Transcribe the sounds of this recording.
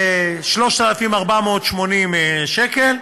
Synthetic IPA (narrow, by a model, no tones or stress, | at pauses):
ʃlo̞ʃt̪alafimaʁbamo̞ːt̪ʃmonimʃekel